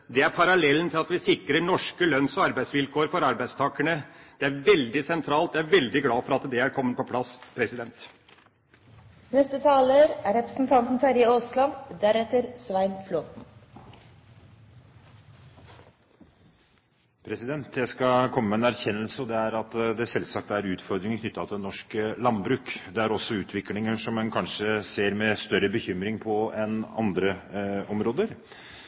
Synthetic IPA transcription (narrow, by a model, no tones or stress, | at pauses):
d̪ɛæɾpʰɑɾɑlɛln̩t̪ʰɪlɑt̪ʋɪsɪkɾəɳɔʂkəlœnsɔɑɾbæɪsʋɪlkʰoːəɾfɔɾɑɾbæɪst̪ʰɑːkəɳəd̪̥ɛæɾʋɛld̪ɪsɛnt̪ʰɾɑːlt̪d̪ɛæɾʋɛld̪ɪɡlɑːfɔɾɑt̪d̪ɛæɾkʰɔmːənpʰɔpʰlɑspʰɾɛsɪd̪ɛnt̪ | nɛst̪ət̪ʰɑːləɾæɾɛpɾəsn̩t̪ʰɑnt̪n̩t̪ʰɑɾɪoslɑnd̪æɾɛt̪əɾsʋæɪnfloːt̪n̩ | pʰɾɛsɪd̪ɛnt̪d̪ɛskɑkʰɔmːəmɛɛːnæɾçɛnːəlsəɔd̪ɛæɾɑt̪d̪ɛsɛlsɑk̚t̪æɾʉːt̪fɔɾd̪ɾɪŋkʰnʏt̪ːɑt̪ʰɪnːɔʂkəlɑnbɾʉːkd̪ɛæɾɔsːɔʉːt̪ʰʋɪklɪŋəʂɔmːɛnkʰɑnʂəseːɾmɛst̪œɾəbəçʏmɾɪŋpʰɔɛnɑ̰nd̪ɾəɔmɾoːd̪əɾ